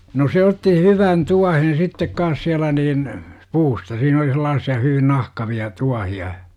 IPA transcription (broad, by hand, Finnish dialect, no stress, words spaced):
no se otːi hyʋɑn tuɑhen sitːek kɑːs siælæ niːn puːstɑ siːn oli selɑːsːiɑ hyʋin nɑhkɑʋiɑ tuɑhiɑ